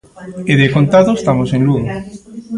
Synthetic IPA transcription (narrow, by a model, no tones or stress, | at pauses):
eðekont̪aðoest̪amosenluɣo